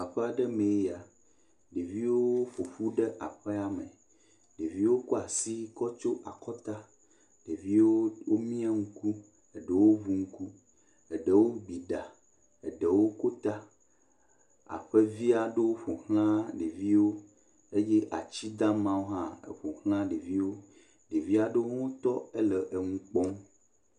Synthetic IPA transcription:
a˨ɸɛ˦a˨ɖɛ˦mẽ˨˦ja˨ | ɖe˨vi˦wo˦ɸo˨ɸu˦ɖɛ˦ʔa˨ɸɛ˦a˦me˨ | ɖe˨vi˦wo˦kɔ˦a˨si˦kɔ˦t͡ʃo˦ʔa˨kɔ˦t̪a˦ | ɖe˨vi˦wo˦wo˦mĩ˦a˦ŋ̩˦ku˦ | ɛ˨ɖə˨wo˦vu˨ŋ̩˦ku˦ | ɛ˨ɖe˨wo˦ɡ͡bi˨ɖa˨ | e˨ɖe˨wo˦ko˦t̪a˦ | a̰˨ɸe˦vi˦a˨ɖe˦wo˦ɸo˨hl̃ã˦ɖe˨vi˦wo˦ | e˦je˦ʔa˨t͡ɕi˦d̪ã˦mã˦wo˦ɦã˦ḛ˨ɸo˨hl̃ã˦ɖe˨vi˦wo˦ | ɖe˨vi˦a˨ɖe˦wo˦ŋo˦t̪ɔ˦e˦lə˨ʔe˨ŋũ˦k͡pɔ˦m

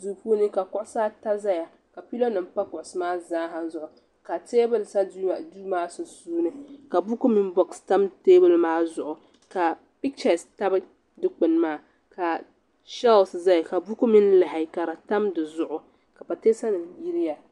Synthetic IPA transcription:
zu˨puː˦nɨ˦ka˨kʊ˦ʔʊ˦sa˦ta˦za˦ja˨ | ka˨pi˦lo˦nɨ˨m̩˦pa˦kʊ˨ʔʊ˨sɨ˦maː˦zaː˦ɦa˨zʊ˨ʔʊ˨ | ka˨teː˦bɨ˦lsa˦dduː˦maː˦sʊ˨suː˦nɨ˦ka˨bu˦ku˦mi˦n˦bɔ˨ksta˦mteː˦bɨ˦lmaː˦zʊ˨ʔʊ˨ | ka˨ | pi˦k̚t͡ʃɛ˨sta˦b | dɨ˦k͡pɨ˨nmaː˦ | ka˨ | ʃɛ˦lsza˦ja˨ka˨bu˦ku˦mi˦n˦la˨hɪ˨ka˨ɾa˨ta˦mdɨ˨zʊ˨ʔʊ˨ | ka˨pa˨teː˦sa˦nɨ˨mji˦ɾɪ˦ja˨

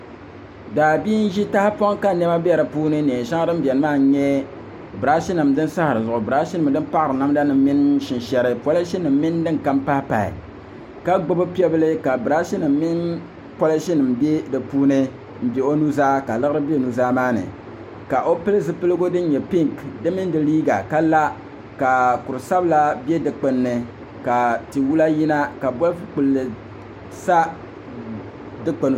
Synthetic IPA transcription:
daː˨biː˦n̩˦ʒi˦ta˦hpo˦ŋka˦nɛ˦ma˦ba˨ɾɨ˨puː˦nɨ˦n˨ɛ˨ʃa˦ŋ˦dɨ˦m˦bʲjɛ˨nɨ˦maː˦˨˦ɲɛ˦ | bɨ˨ɾa˦ʃi˦nɨ˨mdɨ˦nsa˦hɾɨ˨zʊ˨ʔʊ˨bɾa˦ʃi˦nɨ˨m˨dɨ˦mpa˦ʔɨ˨ɾɨ˨na˦mda˦nɨ˨m˦mi˦nʃɪ˨nʃɛ˦ɾɨ˦po˦la˦ʃi˦nɨ˨mː˦ɪ˦n˦dɨ˦ŋ˨ka˦mpa˦pa˨ḭ˨ | ka˦ɡ͡bʊ˦bɨ˦pi˦ɛ˦bɨ˦lɨ˦ka˨bɾa˦ʃi˦nɨ˨mːi˦n | po˦la˦ʃi˦nɨ˨mbe˦dɨ˨puː˦nɨ˦ | m̩˦bʲe˨o˦nu˦zaː˦ka˨lɨ˦ɣɨ˦ɾɨ˦be˦˨nu˦zaː˦maː˦nɨ̰˨ | ka˨ʔo˦pɨ˦lɨ˦zɨ˦pɨ˦lɨ˦ɡo˦dɨ˦n˦ɲɛ˨pi˦ŋkdɨ˦mɨ˦n˦dɨ˨liː˦ɡa̰˨ka˦la˦ | ka˨kʊ˨ɾɨ˨sa˦bla˦be˦dɨ˨k͡pɨ˨nːɨ˨ | ka˨ti˨wu˦la˦ji˦na˦ka˨bɔ˦lfɨ˦k͡pu˨lːɨ˨ | sa˦ | dɨ˦k͡pɨ˨n˨

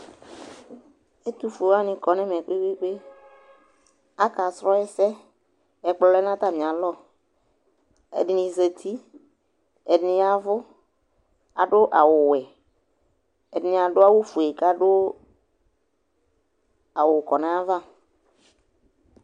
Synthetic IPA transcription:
e˦t̪u˦fo˨a˦nɪ̃˨kɔ˨nɛ˦mɛ˨k͡pe˦k͡pe˦k͡pe˦ | a˦ka˨sɾɔ˦ɛ˦sɛ˦ | ɛ˨k͡plɔ˨lɛ˦nã˦t̪a˦mĩ˨a˨lɔ˦ | ɛ̰˨dɪ˨nɪ̃˨ze˨t̪ʰi˦ | ɛ˨dɪ˨nɪ̃˨˦a˨vʊ˦ | a̰˨ɖʊ˦ʔa˨wʊ˨wɛ˨ | ɛ˨dɪ˨nɪ̃˨a˨ɖʊ˦a˦wʊ˦fu˨e˨ka˦ɖʊ˦ | a˨wʊ˨kɔ˨nɛ̃˨a˦va˦˨

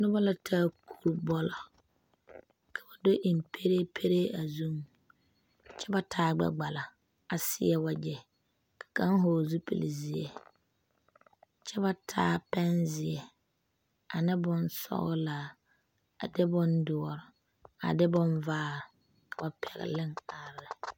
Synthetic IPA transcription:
nʊ˦bɔ˦lɔ˦tʰaː˦˨kʰu˨ɾbɔ˦lɔ˨ | kʰa˨ba˨do˦ʔi˨m˨pʰe˦ɾe˦pʰe˦ɾeː˦a˨zu˦m | t͡ʃɛ˦ba˦tʰaː˦ɡ͡bɛ̰˦ɡ͡ba˨la˨ | a˨sɪ˦ɛ˦wa˨d͡ʒɛ˨ | kʰḁ˨ka˦ŋ˦ɦoː˨zu˦pḛ˨li˨zɪ˨ɛ̰˨ | t͡ʃɛ˦ba˦tʰaː˦pɛ˦nzɪ˨ɛ˨ | a˨nɪ˦bʊ˨nsɔ̰˦ɣɔ˦laː˨ | a̰˨dɪ˦bʊ˦ndʊ˨ɔ˨ɾɔ˨ | a̰˨dɪ˦bʊ˦nvaː˦˨ | kʰa˨ba˨pʰɛ̰˨ɣɪ̰˨lɪ˦ŋa˨ɾɛ˨

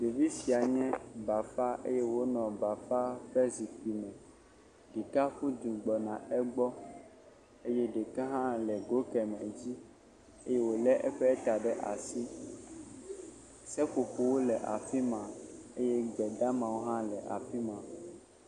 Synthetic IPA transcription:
ɖe˨vi˦si˨a˨ɲɛ̃˦ba˨fa˦ʔḛ˦je˦wo˦nɔ̃˨ba˨fa˦ɸɛ˦zi˨k͡pi˨mɛ̃˨ | ɖi˨ka˦ɸu˦d̪ũ˨ɡ͡bɔ˨nã˨ɛ˦ɡ͡bɔ˦ | e˦jɛ˦ɖɛ˨ka˦ɦã˦lɛ˨ɡo˦kɛ˨mɛ̃˨d͡ʑi˦ | e˦je˦wo˨lɛ˦ʔɛ˦ɸɛ˦t̪a˨ɖɛ˦ʔa̰˨si˦ | sɛ˦ɸo˨ɸo˨wo˦lɛ˨ʔa̰˨fi˦mã˨e˦jɛ˦ɡ͡bɛ˨d̪a˦mã˨wo˦ɦã˦lɛ˨ʔa̰˨fi˦mã˨

